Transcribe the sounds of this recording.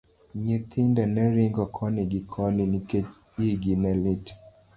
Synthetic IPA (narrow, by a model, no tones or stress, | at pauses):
ɲɛt̪ʰindanɛɾiŋɡɔkʰɔniɡikʰɔninikɛt͡ʃ | iɡinɛlit